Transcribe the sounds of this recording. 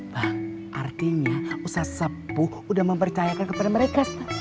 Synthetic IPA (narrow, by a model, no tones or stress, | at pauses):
bah | ʔa̰rt̪iɲausahsəbu | udahməmpərt͡ʃajakankəpadaməɾekas